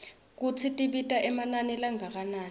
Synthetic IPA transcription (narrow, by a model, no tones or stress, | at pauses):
k̬ut͡sʰitʼiɓitʼaʔɛmananɛlaŋak̬ʼanaːn